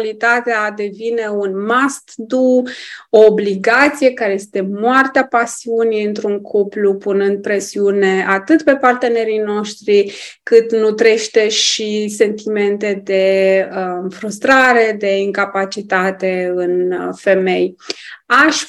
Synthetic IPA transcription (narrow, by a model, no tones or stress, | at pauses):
lit̪at̪ead̪e̞vine̞unmast̪d̪uoːbliɡat̪sije̞kaɾeje̞st̪e̞moart̪eapasiunijɨnt̪ɾuŋkʰuplupunɨnd̪̚pɾe̞siune̞at̪ɨt̪pe̞part̪e̞ne̞ɾino̞ʃt̪ɾikɨt̪nut̪ɾe̞ʃt̪e̞ʃise̞nt̪ime̞nt̪e̞d̪e̞ | fɾust̪ɾaɾe̞d̪e̞iŋkapat͡ʃit̪at̪e̞ɨnfe̞me̞jaʃ